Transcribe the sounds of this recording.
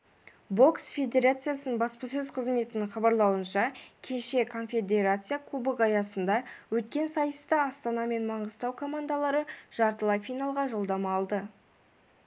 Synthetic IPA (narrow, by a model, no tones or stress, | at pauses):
bo̞ksfʲe̞d̪e̞ɾat̪sɨjasənəɴbɑspɑsɵzqʰəzme̞t̪ɪnɪɴχɑbɑɾlˠɑwənʃɑkʲʰe̞ʃe̞kʰo̞nfʲe̞d̪ʲe̞ɾat̪sɨjakʰubəkɑjɑsənd̪ɑwɵt̪kʲe̞nsɑjəst̪ɑːst̪ɑnɑme̞nmɑɴəz̥t̪ɑwkʰo̞mand̪alˠɑɾəʒ̥ɑɾt̪əlˠɑfijnalˠʁɑʒo̞lˠd̪ɑmɑɑːlˠd̪ə